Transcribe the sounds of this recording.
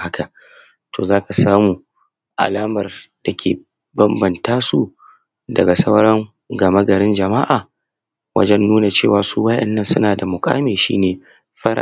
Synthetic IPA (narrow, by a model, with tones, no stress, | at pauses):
ha˦kʰa˨ʔ | tʰoː˨zaː˦ka˨saː˦muː˨ | ʔa̰˨laː˦mɐ˨rd̥a˨kʲʰḛː˨ | bɐ˦mbɐ˨ntaː˦su˦ | dɐ˨ɡa˨sɐ˦wɾɐ˦ŋ | ɡɐ˨mɐ˦ɡɐ˨ɾɪ˦nd͡ʒɐ˨ma˦ʔaː˨ | wɐ̰˦d͡ʒɛ˦nːuː˦na˨t͡ʃeː˨waː˨suː˦wɐ˦ʔɛ̰˨nːɐ˦nsʊ˦naː˨da˨mʊ˨kʼa̰ː˦meː˨ʃḭː˦neː˨ | ɸɐ˦ɾa̰˨